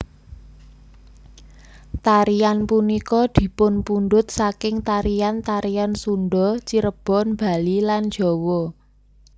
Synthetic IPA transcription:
t̪aɾijanpunikɔd̪̥i̤pʊnpunɖʊt̪̚sakɪŋt̪aɾijant̪aɾijansunɖɔt͡ʃiɾəb̥ɔ̤nb̥a̤lilan̥d͡ʒ̥ɔ̤wɔ

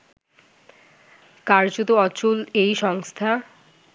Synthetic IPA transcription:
kaɾd͡ʑot̪oɔt͡ɕulejʃɔŋst̪ʰa

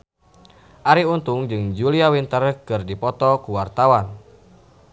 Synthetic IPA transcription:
ʔaɾiunt̪uŋd͡ʒɨŋd͡ʒuliawint̪ərkɨrdipɔt̪ɔkuwart̪awan

